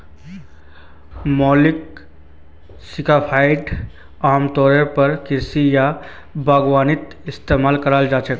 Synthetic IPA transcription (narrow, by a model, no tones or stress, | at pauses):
mɔːlɪk̚ | sɪkapʰaːɪɖ | aːmt̪ɔːɾepɐɾkɪɾsija | bʱaːɡʋaːnɪt̪ | ɪst̪eːmaːlkɐɾaːld͡ʒaːt͡ʃək